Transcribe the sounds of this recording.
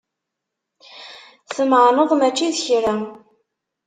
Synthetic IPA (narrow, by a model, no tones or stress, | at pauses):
θəmʕnəðˤmæt͡ʃːiðçɾæ